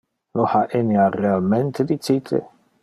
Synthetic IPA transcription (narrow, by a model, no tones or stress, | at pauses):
lohaʔenearealment̪ʰed̪it͡ʃit̪ʰḛ